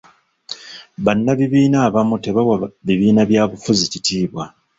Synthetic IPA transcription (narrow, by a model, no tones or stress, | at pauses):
βanːaβiβiːnaːβamute̞βawaβiβiːnaβjaːβufuzicitʰiːβwa